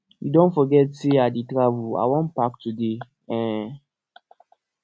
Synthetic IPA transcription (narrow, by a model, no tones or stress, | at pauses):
jṵdõnfɔɡɛtseat̚ditɾavua̰wɔ̃npak̚tude | ɛ̃